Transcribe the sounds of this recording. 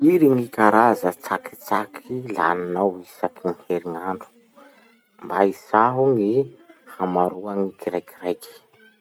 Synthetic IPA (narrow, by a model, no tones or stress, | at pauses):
iɾiŋikaɾazət͡saki̥t͡sakʰila̰ninawisapʰunheɾiŋaɳɖ͡ʐu̥ | mbaizaɦuŋihamaɾuaŋikiɾajkirajki̥